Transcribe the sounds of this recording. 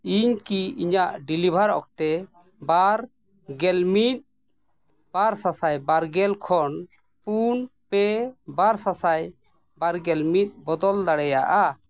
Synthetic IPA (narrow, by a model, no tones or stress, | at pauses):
iɲkiiɲaʔɖilibʱaɾɔ̰kt̪ɛ | baɾ | ɡɛlmit̪̚ | b̥aɾsasajbaɾɡɛlkʰɔn | punpɛbaɾsasaj | baɾɡɛlmit̪̚ˀbɔd̪ɔld̪aɽɛjaʔa